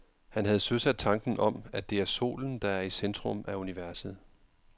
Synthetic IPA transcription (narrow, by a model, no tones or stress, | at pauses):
hænɦæð̞̩ˠsøsæd̥̚t͡sʰɑ̈ŋɡ̥n̩ʔɒ̽mæd̥e̝æɐso̝̰ːln̩d̥ɑ̈æɐisend̥ʁɔ̽mʔæuniʋæɐsð̞̩ˠ